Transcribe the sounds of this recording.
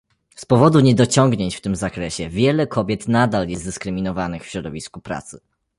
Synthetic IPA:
spɔvɔd̪uɲɛd̪ɔt͡ɕɔŋɡɲeɲt͡ɕft̪ɘmzakɾɛɕɛvʲjɛlɛkʰɔbʲjɛt̪nad̪aljɛzd̪ɘskɾɘmʲinɔvanɘxfɕɾɔd̪ɔvʲiskupɾa̰t̪sɘ

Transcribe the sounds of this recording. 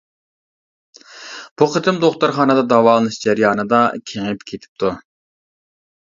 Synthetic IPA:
b̥uqʰət̪ʰɨmd̪oχt̪uɾχɑːnɨd̪ɑd̪ɑwɑːlˠɨnɨʃd͡ʒæɾjɑːnɨd̪ɑkʲʰeŋɪpkʲʰet̪ʰɪ̥p̚t̪ʰu

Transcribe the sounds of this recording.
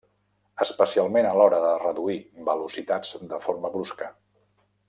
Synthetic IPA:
əspəsialˠmenəlɔɾəðərəðuibəlusit̪ad͡zd̪əfoɾməβɾuskə

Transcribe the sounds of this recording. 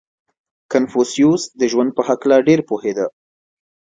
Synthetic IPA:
kanfusijusd̪əʒwand̪̚pəɦaklaɖeɾpohed̪a

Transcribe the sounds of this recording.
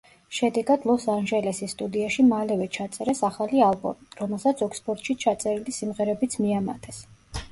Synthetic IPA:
ʃɛd̪ɛɡad̪̥lˠɔsanʒɛlɛsisːt̪ʼud̪iaʃimalɛvɛt͡ʃʰat̪sʼɛɾɛsaχalialˠbɔ̰miɾɔmɛlˠsat̪sʰɔkspʰʼɔɾt̪ʼʃit͡ʃʰat̪sʼɛɾilisimʁɛɾɛbit̪sʰmiama̰t̪ʰɛs

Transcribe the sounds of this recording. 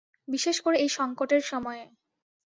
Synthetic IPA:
biʃeʃkoɾeejʃɔŋkoʈeɾʃɔmɔe

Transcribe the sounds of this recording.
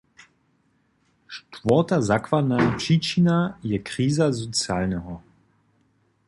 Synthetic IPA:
ʃtvɔtazakvadnapriːt͡ʃinajɛkʁiːzazɔt͡sjaːlnɛɦɔ

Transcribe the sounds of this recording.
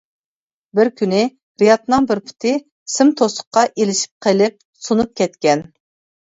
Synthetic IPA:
bɪɾkʲʰynɪ | ɾijɑt̪nɨŋbɪɾpʰʊ̥t̪ʰɪ | sɪmt̪ʰosʊ̥qːɑʔelɪʃi̥p̚qʰelɪp̚ | sunup̚kʲɛt̪kʲɛn

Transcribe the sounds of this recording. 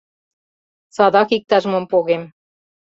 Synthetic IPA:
sɑd̪ɑkik̚t̪ɑʒmompoɣem

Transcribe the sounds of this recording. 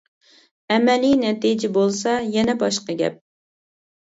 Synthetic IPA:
ɛmɛlinɛt̪id͡ʒɪbolˠsɑjɛnɛbɑʃqɑɡʲɛ̰p̚

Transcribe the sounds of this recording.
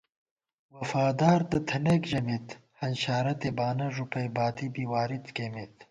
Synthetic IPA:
wɐfaːd̪aːɾd̪ɨt̪ʰɐnekʒɐmit̪hɐnɕaːɾɐt̪ebaːnɐʐupʰɐjbaːt̪ibiwaːɾit̪kemit̪

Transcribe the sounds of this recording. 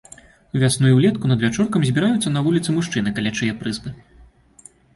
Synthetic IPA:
uvʲasnujuwlʲɛt̪kunɐd̪vʲat͡ʂɔrkɐmzʲbʲiɾajut̪sːɐnɐvulʲit̪sɨmuʂt͡ʂɨnɨkalʲat͡ʂɨjɛpɾɨzbɨ

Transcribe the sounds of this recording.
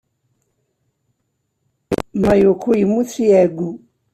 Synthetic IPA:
majokʰoimut͡siɛɡu

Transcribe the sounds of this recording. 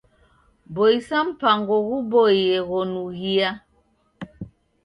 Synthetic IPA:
bɔisam̩paŋɡɔɣubɔjɛɣɔnuɣia

